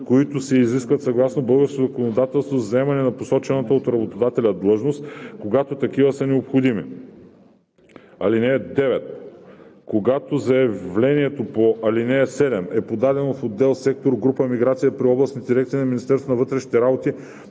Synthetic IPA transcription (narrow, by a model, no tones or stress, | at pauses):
koit̪ʊsɛiziskvɐt̪sɐɡlˠasnobɤlˠɡəɾskozɐkonod̪at̪ɛlˠst̪vozzɐɛmɐnɛnɐposɔt͡ʃɛnɐt̪əot̪ɾɐbot̪od̪at̪ɛlʲɐd̪lˠɤʒnost̪koɡat̪ot̪ɐk̟ivɐsɐnɛopxod̪imḭ | ɐlinɛd̪ɛvɛt̪̚ | koɡat̪ozɐɛvlʲɛniɛt̪opoʔɐlinɛsɛd̪ɛmɛpod̪ad̪ɛnofod̪ːɛlˠsɛk̚t̪oɾɡɾupəmiɡɾat̪sijəpɾiɔblˠɐsnit̪d̪iɾɛkt̪sinɐminist̪ɛɾst̪onɐvɤt̪ɾɛʃni̥t̪ɛɾabot̪i